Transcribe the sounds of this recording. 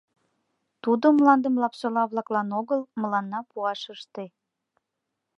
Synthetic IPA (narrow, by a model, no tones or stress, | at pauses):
t̪ud̪omlɑnd̪əmlɑpʃəlɑβlɑklɑnoɣəlməlɑnːɑpuɑʃəʃt̪e